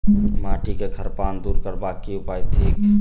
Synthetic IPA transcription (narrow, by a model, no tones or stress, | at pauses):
maːʈikeɡʰʱəɾpaːnd̪uːɾkəɾbaːkːiʊpaːit̪ʰiːk